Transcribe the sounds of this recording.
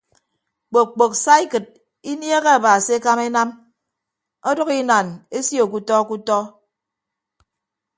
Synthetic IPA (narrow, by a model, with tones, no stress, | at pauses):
k͡po˨k̚k͡po˨ksa˦i˦kɨ˨d̚ | i˦nje˦ɣe˦a˨baː˨si˦e˦ka˦me˦na˦m | ɔ˦dɔ˦ki˦na˨ne˦sjo˨k̬u˦tɔ˦ku˦tɔ˦